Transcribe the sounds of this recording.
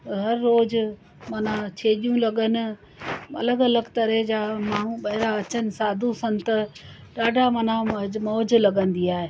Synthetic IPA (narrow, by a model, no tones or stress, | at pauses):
ɦɐɾːoːz | mɐnat͡ɕʰeːɗijũlɐɠənɪ̆ | ɐ̰ləɡɐləɡt̪ɐɾɛɦd͡ʑaːmaːɳ̤ũɓɐɦɪɾaɐt͡ɕənɪ̆saːd̪ʱũsɐ̃nt̪ɐ | ɗaːɖʱamɐ̃nãmɔːd͡ʑlɐɠə̃n̆d̪iaːɦe